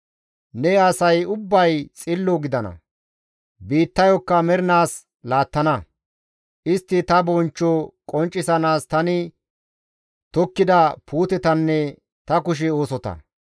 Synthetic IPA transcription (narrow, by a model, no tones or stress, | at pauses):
nɛɐsɐjʊbːɐjt͡sʼɪlːɔɡɪd̪ɐnɐ̰ | biːt̪ːɐjɔkːɐmɛɾɪnaːs | laːt̪ːɐnɐ | ʔɪst̪ːɪt̪ɐbɔnt͡ʃːɔkʼɔnt͡ʃʼːɪsɐnaːst̪ɐnɪ | t̪ɔkːɪd̪ɐpuːt̪ɛt̪ɐnːɛ | t̪ɐkʊʃ̬ɛo̞ːsɔt̪ɐ̰